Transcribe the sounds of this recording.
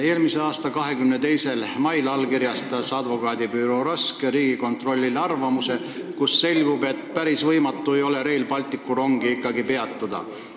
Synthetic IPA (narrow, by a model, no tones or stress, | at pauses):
e̞ːlmise̞ɑːst̪ɑkɑɦe̞kymnet̪e̞jse̞lmɑjlɑlkirjɑst̪ɑsɑd̪vo̞kɑːd̪ipyːɾuɾɑskeɾiːɡ̥iko̞nt̪ro̞lʲːilɑrvɑmuse̞ | kusːe̞lʲɡ̥ube̞t̪ːpæɾisvɤjmɑt̪ˑːue̞jo̞le̞ɾe̞jlpɑlt̪ˑikːuɾo̞ŋɡ̥iikːˑɑɡipe̞ɑt̪ːˑud̪̥ɑ̰